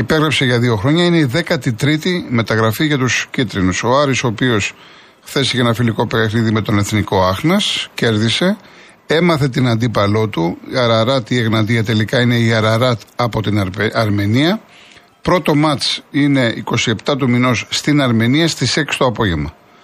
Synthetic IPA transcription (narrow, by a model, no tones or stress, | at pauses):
ipeɣɾepseʝɐðio̞xɾo̞ɲɐine̞iðe̞kɐt̪it̪ɾit̪ime̞t̪ɐɣɾɐfiʝɐt̪uscit̪ɾinuso̞ɐɾiso̞ːpio̞s | xθe̞siceenɐfiliko̞pexniðime̞t̪o̞ne̞θniko̞ɐxnɐsce̞ɾðise̞ | e̞mɐθe̞t̪inɐnd̪ipɐlo̞t̪uɐɾɐɾɐt̪ie̞ɣnɐt̪iɐt̪e̞likɐine̞iɐɾɐɾɐt̪ɐpo̞t̪inɐɾme̞niɐ | pɾo̞t̪o̞mɐt͡ʃine̞iko̞sie̞pt̪ɐt̪umino̞sːt̪inɐɾme̞niɐst̪ise̞ksi̥t̪o̞ɐpo̞ʝe̞mɐ